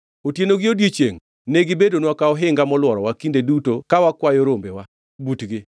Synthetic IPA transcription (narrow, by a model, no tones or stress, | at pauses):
otjenoɡɪodjet͡ʃeŋ | neɡɪbedonwakaɔɦɪŋɡamɔlwɔɾɔwakindedutokawakwajoɾombewa | butɡɪ